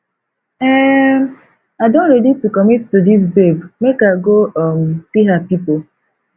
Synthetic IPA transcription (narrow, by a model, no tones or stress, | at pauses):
ɛm | adõntɾeditukɔmittudis̬bebmekaɡoɔm̩siɦapipo